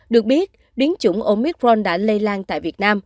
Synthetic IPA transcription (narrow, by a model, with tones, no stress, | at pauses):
ɗɨ˨˩ək̚ɓi˦˥ət̚ | ɗi˨˦ənt͡ɕʊ̰˧˩ʔo˧mi˦˥k̚ɹɔ˧nɗa̰ː˧˥le˧laː˧nt̪a̰ː˧˨jvi˨˩ət̚naː˧m